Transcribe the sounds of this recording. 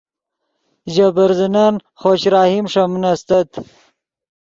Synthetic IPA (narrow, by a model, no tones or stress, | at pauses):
ʑabɐɾzinan | χoɕɾaːhimʂamnɐst̪ɐt̪